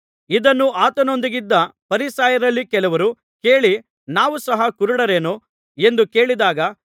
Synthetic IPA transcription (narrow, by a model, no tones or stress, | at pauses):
id̪ɐnːuʔaːt̪ɐno̞nd̪iɡid̪ːɐpɐɾisaːjɐɾɐlːikɛlɐʋɐɾu | ke̞ːɭi | naːʋusɐɦɐkuɾuɽɐɾe̞ːnu | e̞nd̪uke̞ːɭid̪aːɡɐ